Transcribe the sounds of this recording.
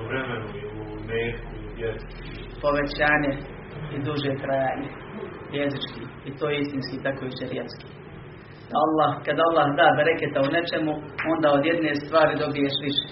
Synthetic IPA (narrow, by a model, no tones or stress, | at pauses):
ʋɾemenuiu | meːku | jezit͡ʃi | po̞ʋet͡ɕaːɲe | id̪uʒeːk̪ɾajaːɲe | jezit͡ʃkiː | it̪oːjeist̪inskiːt̪akojuːt͡ɕeɾjet̪ski̥ː | d̪aalˠːaːhkad̪aalˠːahd̪aːbeɾeket̪aunet͡ʃemuo̞nd̪aːod̪jed̪nest̪ʋaːɾid̪o̞bijeʃʋiʃe̥ː